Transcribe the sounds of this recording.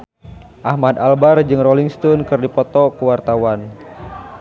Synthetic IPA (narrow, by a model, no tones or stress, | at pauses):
ʔahmad̪albard͡ʒɨŋrɔliŋst̪ɔnkɨrdipɔt̪ɔkuwart̪awan